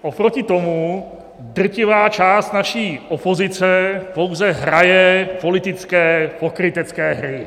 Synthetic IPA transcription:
ʔopɾocɪt̪o̞mu | dr̩cɪvaːt͡ʃaːst̪naʃiːʔopo̞zɪt͡sɛpo̞wzɛɦɾajɛpo̞lɪt̪ɪt͡skɛːpo̞kɾɪt̪ɛt͡skɛːɦɾɪ

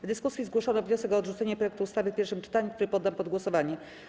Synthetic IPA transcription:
vd̪ɘskusjizɡwɔʂɔnɔvɲɔsɛkɔːd̪ʐut̪sɛɲɛpɾɔjɛkt̪uːst̪avɘpʲɛɾʂɘmt͡ʂɘ̥t̪aɲukt̪uɾɘpɔd̪ːampɔd̪ɡwɔsɔvaɲɛ

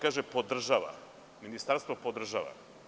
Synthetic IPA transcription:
kaːʒepod̪r̩ʒaʋa̰ | minist̪aɾst̪vʋopod̪r̩ʒaʋa̰

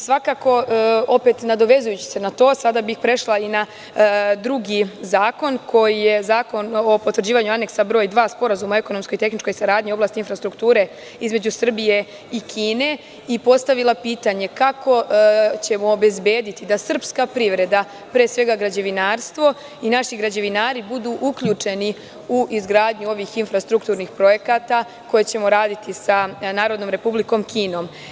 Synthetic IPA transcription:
sʋakaːko̞o̞pe̞t̪nad̪o̞ʋe̞zujut͡ɕi̥se̞nat̪o̞ːsad̪abixpɾe̞ʃlˠaina | d̪ɾuɡizaːko̞nkʰo̞jije̞zaːko̞nopot̪ʋɾrd͡ʑiːʋaɲuane̞ksabɾo̞ːjd̪ʋaːspo̞ɾazumae̞ko̞no̞msko̞jt̪e̞xnit͡ʃko̞jisaɾaːd̪ɲio̞blˠaːst̪infɾast̪ɾukt̪uːɾe̞ | izme̞d͡ʑusr̩bije̞ | ikʰiːne̞ | ipo̞st̪aʋilˠapiːt̪aɲe̞kako̞t͡ɕe̞moːbe̞zbje̞ːd̪it̪id̪asr̩pskapɾiʋɾe̞d̪a | pɾeːsʋe̞ɡaɡɾad͡ʑe̞ʋinaːɾst̪ʋo̞ | inaʃiɡɾad͡ʑe̞ʋinaːɾibud̪uːʔukʎuːt͡ʂe̞ni | uʔizɡɾaːd̪ɲuo̞ʋiːxinfɾast̪ɾukt̪uːɾnixpɾo̞je̞kaːt̪a | ko̞jet͡ɕe̞mo̞ɾaːd̪it̪isanaːɾod̪nomɾe̞publiko̞mkʰiːno̞ːm

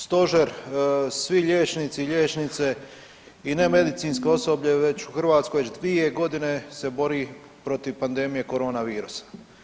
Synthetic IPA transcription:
st̪o̞ʒeɾsʋiʎeːt͡ʃnit̪siʎʲeːt͡ʃnit̪se̞ | ine̞me̞d̪it̪siːnskeo̞so̞bʎe̞ʋe̞t͡ɕuxrʋaːt̪skojʋet͡ʃd̪ʋie̞ɡo̞d̪ine̞se̞bo̞ɾi | pɾo̞t̪iʋpand̪e̞mije̞ko̞ɾo̞ːnaʋiːɾusḁ

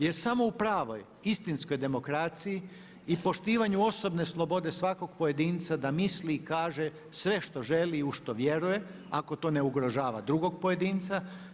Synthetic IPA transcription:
jeɾsamo̞upɾaːʋo̞̰j | ist̪insko̞jd̪e̞mo̞kɾat̪siji | ipo̞ʃt̪iːʋaɲuo̞so̞bne̞slˠo̞bo̞d̪e̞sʋako̞ɡpoje̞d̪iːnt̪sad̪amisliːkaːʒe̞ | sʋe̞ʃt̪o̞ʒe̞liuʃt̪o̞ʋje̞ɾuje̞ | ako̞t̪o̞ne̞uɡɾo̞ʒaːʋa̰d̪ɾuɡo̞ɡpo̞je̞d̪iːnt̪sa

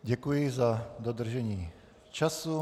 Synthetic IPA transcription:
ɟɛkujɪzad̪od̪r̩ʒɛɲiː | t͡ʃasu

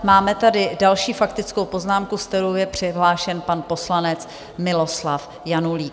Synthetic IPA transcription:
maːmɛt̪adɪdalʃiːfakt̪ɪt͡sko̞wpo̞znaːmkuskt̪ɛɾowjɛpr̝̥ɪɦlaːʃɛnpanpo̞slanɛt͡s | mɪlo̞slaf | januliːk

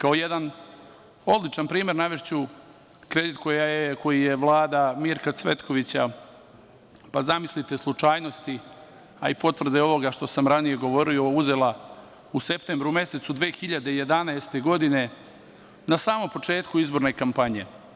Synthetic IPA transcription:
kao̞jed̪an | o̞d̪lit͡ʂanpɾiːme̞ɾnaʋeʃt͡ɕu | kɾe̞d̪it̪kojajeko̞jijeʋlˠaːd̪amiɾkat̪sʋe̞t̪ko̞ʋit͡ɕa | pazamislit̪e̞slˠut͡ʂaːjno̞st̪i | a̰ipo̞t̪ʋr̩d̪eo̞ʋo̞ɡaʃt̪o̞samɾanije̞ɡo̞ʋo̞ɾio̞uze̞lˠa | use̞pt̪eːmbɾume̞se̞t̪sud̪ʋe̞ːxiʎad̪e̞ije̞d̪anaest̪e̞ɡo̞d̪ine̞ | nasaːmo̞mpo̞t͡ʂe̞ːt̪kuizbo̞ɾne̞kampaɲe̞

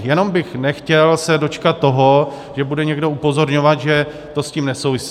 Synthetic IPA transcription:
jɛno̞mbɪxnɛxcɛlsɛdo̞t͡ʃkat̪ːo̞ɦo̞ | ʒ̥ɛbudɛɲɛɡdo̞upo̞zo̞ɾɲo̞vat̪ʒɛ | t̪o̞sciːmnɛsowvɪsi

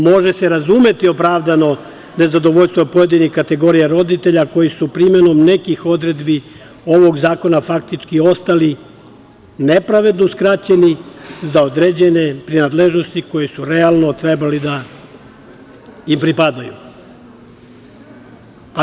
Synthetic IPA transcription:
mo̞ʒe̞seɾazume̞t̪io̞pɾaːʋd̪ano̞ | ne̞zad̪o̞ʋo̞ʎst̪ʋopo̞je̞d̪inixkat̪e̞ɡo̞ɾijaɾo̞d̪it̪e̞ʎako̞jisupɾime̞nomne̞kixo̞d̪ɾe̞d̪bi | o̞ʋo̞ɡzaːko̞nafak̚t̪it͡ʃkio̞st̪ali | ne̞pɾaʋe̞d̪no̞skɾat͡ɕe̞nizaod̪ɾe̞d͡ʑe̞ne̞pɾinaːd̪leʒno̞st̪iko̞jesuɾe̞alˠno̞t̪ɾe̞balid̪a | impɾipad̪ajṵ

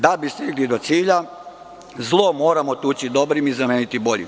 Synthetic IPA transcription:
d̪abist̪iɡlid̪o̞t̪siːʎa | zlˠomo̞ːɾamot̪uːt͡ɕid̪o̞bɾimizameːnit̪ibo̞ʎḭm

